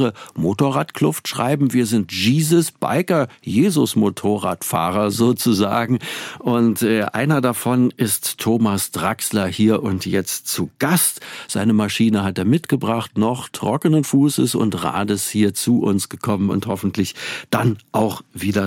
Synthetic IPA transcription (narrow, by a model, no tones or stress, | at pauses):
ʁəmotoːʁaːtkʰlʊftʃʁ̥a̰ɪbm̩viːɐzɪntʒ̥iːzəsb̥a̰ɪkɐjeːzʊsmotʰoːʁa̰ːtfa̰ːʁɐzoːt͡suza̰ːɡŋ̩ʔʊntɛːʔa̰ɪnɐdafɔnɪstʰːoːmasd̥ʁakslɐhiːɐʔʊntjɛt͡stt͡suɡ̥astz̥aɪnəmaʃiːnəhateːɐmɪtɡ̥əbʁaχtnɔχtʁ̥ɔkənənfuːsə̰sʊ̰ntʁa̰ːdəshiːɐt͡suʔʊ̰nsɡ̥əkʰɔmənʊ̰nthɔfn̩tlɪçd̥anʔaʊxviːdɐ